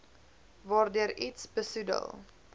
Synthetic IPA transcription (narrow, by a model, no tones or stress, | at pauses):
vɑːrdøəɾitsbəsudə̰lˠ